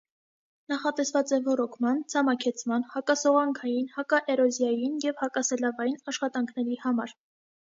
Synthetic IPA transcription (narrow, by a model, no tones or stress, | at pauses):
nɑχɑt̪ɛsvɑt͡sɛvɔɾɔkʰmɑnt͡sʰɑmɑkʰɛt͡sʰmɑnhɑkɑsɔʁɑŋkʰɑjinhɑkɑʔɛɾɔzjɑjinjɛvhɑkɑsɛlɑvɑjinɑʃχɑt̪ɑŋkʰnɛɾihɑmɑɾ